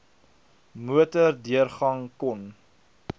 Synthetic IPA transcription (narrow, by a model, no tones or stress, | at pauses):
muətərdiərχɐŋkɔn